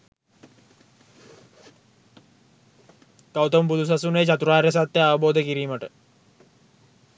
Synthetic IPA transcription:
kawt̪ompud̪ʱus̬asunejt͡ɕat̪uɾaːɾjəs̬at̪jəaʋəboːd̪əkiɾiːməʈə

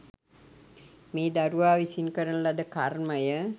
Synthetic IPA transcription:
miːd̪aɾuʋaːʋisinkəɾənəlad̪əkarməjə

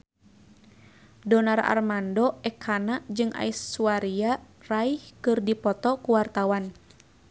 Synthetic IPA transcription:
dɔnara̰rmandɔɛkʰanad͡ʒɨŋʔa̰isuaɾia | raihkɨrdipɔt̪ɔkuwart̪awan

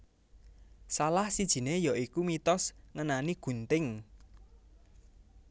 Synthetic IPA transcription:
salahsid̥ʒ̥i̤nejɔʔikumit̪ɔsŋənaniɡ̥ṳnt̪ɪŋ

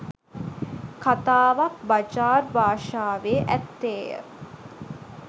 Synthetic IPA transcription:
kat̪aːʋak̚bad͡ʒaːrbaːʂaːʋeʔæt̪ːeːjə̰

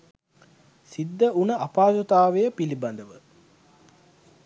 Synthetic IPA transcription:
sid̪ːəunəʔapaːzot̪aːʋejəpilibɐnd̪əʋə

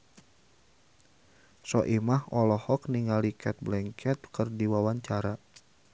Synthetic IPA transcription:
sɔʔimahɔlɔhɔk̚niŋalikʰɛt̪̚blɛŋkʰɛt̪̚kɨrdiwawaɲt͡ʃaɾa

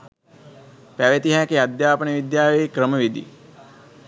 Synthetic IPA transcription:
pæʋet̪iɦækead̪jaːpənəʋid̪jaːʋeekɾəməʋid̪ḭ

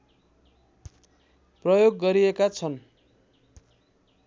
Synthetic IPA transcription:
prʌjoɡːʌɾiekat͡sʰʌn

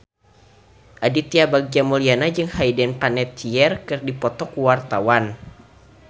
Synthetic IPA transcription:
ʔadit̪iabaɡ̚d͡ʒamulianad͡ʒɨŋhaidɛnpanɛt̪̚t͡ʃiɛrkɨrdipɔt̪ɔkuwart̪awan

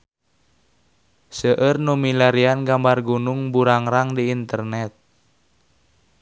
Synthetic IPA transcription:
səʔərnumilaɾianɡambarɡunuŋbuɾaŋɾaŋdiːnt̪ərnɛt̪̚

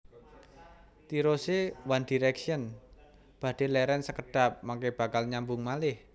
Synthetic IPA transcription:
t̪iɾosewandiɾɛksiən | b̥ä̤ɖ̥e̤lɛɾɛnsəkəɖ̥a̤p̚maŋkeb̥a̤kalɲambʊŋmalɪh

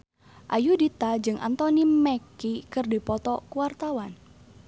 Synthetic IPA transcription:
ʔajudit̪ad͡ʒɨŋʔa̰nt̪ɔnimɛkikɨrdipɔt̪ɔkuwart̪awan

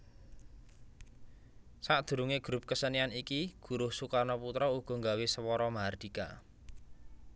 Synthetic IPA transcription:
saʔd̪̥ṳɾuŋeɡ̥ɾʊp̚kəsənianikiɡ̥ṳɾʊhsukanɔput̪ɾɔuɡ̥ɔ̤ŋɡawesəwɔɾɔmaɦard̪̥ika̰

